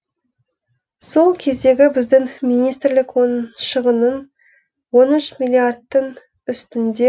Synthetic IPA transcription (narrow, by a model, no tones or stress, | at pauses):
so̞lˠkʲʰe̞zd̪e̞ɡʲɪbɪzd̪ɪŋmijnijst̪ɾlɪkwo̞nʃəʁənən | wo̞nʏʃmilʲiard̪ːəŋ | ʏst̪ɪnd̪e